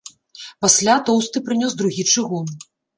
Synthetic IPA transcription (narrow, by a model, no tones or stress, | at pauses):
pasʲlʲat̪ɔwst̪ɨpɾɨnʲɔsd̪ɾuɣʲit͡ʂɨɣun